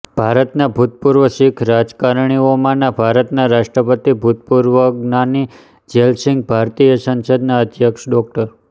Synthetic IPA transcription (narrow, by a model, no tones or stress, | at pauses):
b̥ʱaɾət̪nabʱut̪̚puɾʋəʃikʰɾad͡ʒkaɾɳ̃iomãnabʱaɾət̪naɾaʂʈɾəpət̪ibʱut̪̚puɾʋəɡnani | d͡ʒelsɪ̃ŋɡ̚bʱaɾt̪ijəsə̃nsəd̪naəd̪ʱjəkʃɖɔkʈəɾ